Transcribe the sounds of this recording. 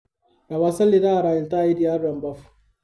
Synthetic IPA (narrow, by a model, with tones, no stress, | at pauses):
a˨βa˦sa˦lːi˦ta˦a˨ɾaː˨i˨lta˦˨i˦di˦˨a˦ɾːa˨mba˦f